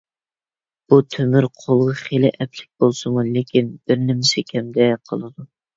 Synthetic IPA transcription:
b̥ut̪ʰømyɾqʰolˠʁɑχelɪʔɛplɪ̥k̚ʲbolˠsɨmulekʲinb̥ɪɾnɪmɪsɪkʲʰɛmd̪ɛqʰəlˠɨd̪u

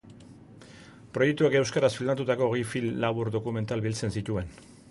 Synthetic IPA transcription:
pɾo̞je̞k̚t̪ueke̞wskaɾasfild̪at̪̬ut̪ako̞ːɣjfilːaβuɾd̪o̞kume̞nt̪albilt͡se̞nsit̪ue̞n

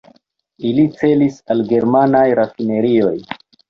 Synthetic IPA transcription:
ilit͡se̞lisalɡe̞ɾmanajɾafine̞ɾio̞j

